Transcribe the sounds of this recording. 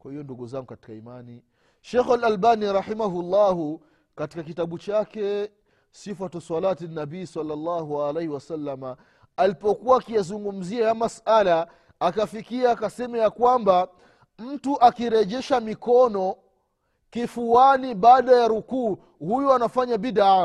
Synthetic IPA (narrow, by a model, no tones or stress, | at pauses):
kwahijɔnduɠuzaŋɡukati̥kaimani | ʃɛxalalbaniɾɑħimaɦulˤːaːɦu | kati̥kakitaɓut͡ʃakɛ | sifatɔswalatinːaɓiisalːalːaɦualɛjhiwasalːama | alipɔkuwaːkijazuŋɡum̩ziajamasalaː | kafikiaːkasɛmɛjakwamba | m̩tuʔakiɾɛʄɛʃamikɔnɔ | kifuaniɓaːɗajaɾukuː | hujɔanafaɲaɓiɗa